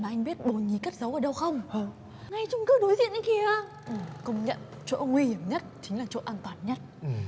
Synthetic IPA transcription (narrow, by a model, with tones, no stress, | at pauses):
maː˨˩ʔa˧jŋ̟ɓi˦˥ət̚ɓo˨˩ɲi˨˩ka˦˥k̚zə˨˦wʔəː˨˩ɗə˧wxə˧wŋ͡mʔəː˧˩ | ŋa˧jt͡ɕʊ˧ŋ͡mkɨː˨˦ɗo˨˦jzḭ˧˨ənʔi˨˧˦ki˨˩a˧ | ʔkə˧wŋ͡mɲə̰˧˨n | t͡ɕo̰˧˨ŋwi˧hi˧˩əmɲə˦˥t̚t͡ɕï˨˦ŋ̟laː˨˩t͡ɕo̰˧˨ʔaː˧nt̪waː˨˩nɲə˦˥t̚